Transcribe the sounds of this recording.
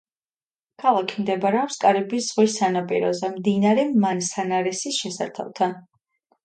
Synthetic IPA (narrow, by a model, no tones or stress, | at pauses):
kʰalˠakʰimd̪ɛbaɾɛɔpskʼaɾɛbisz̥ʁwisanapʼḭɾɔ̰zɛmd̪inaɾɛmansanaɾɛsisʃɛsa̰ɾt̪ʰa̰lˠt̪ʰan